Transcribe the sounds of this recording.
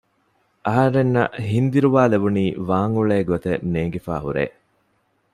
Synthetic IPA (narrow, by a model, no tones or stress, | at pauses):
ʔɐɦɐɾenːɐ̰ʔɦind̪iɾuʋaːlebuniːʋaːŋuɭeːɡot̪eneːɡefa̰ːɦuɾḛː